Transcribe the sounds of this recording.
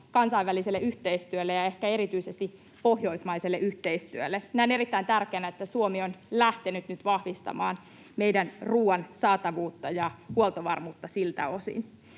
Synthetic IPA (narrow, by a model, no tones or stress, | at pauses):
kɑnsɑiʋʋæliselːeyht̪eist̪yølːejɑe̞hkæe̞ɾit̪yisest̪i | pohjo̞ismɑiselːeʔyht̪eist̪yølːeminæˑone̞ɾit̪ːæint̪ærkeːnæet̪ːæsuomionlæht̪enyt̪nyt̪ʋɑhʋist̪ɑ̰mɑːn | me̞ijdænruːɑnsɑːt̪ɑʋuːt̪ːɑjɑhuolt̪oʋɑrmuːt̪ːɑsilt̪æ̰o̞sḭn